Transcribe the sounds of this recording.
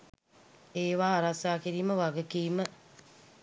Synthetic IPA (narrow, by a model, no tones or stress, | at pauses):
eːʋaːɾasaːkiɾiːməʋaɡəkiːmə